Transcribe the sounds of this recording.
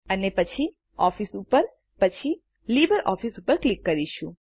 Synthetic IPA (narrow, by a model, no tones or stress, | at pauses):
ənepət͡ʃʰi | ɔfisupəɾ | pət͡ʃʰi | libəɾʔɔ̰fisupəɾklikːəɾiʃũ